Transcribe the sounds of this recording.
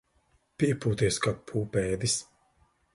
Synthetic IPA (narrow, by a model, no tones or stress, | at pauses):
piɛpuːt̪iɛskapʰuːpɛːd̪is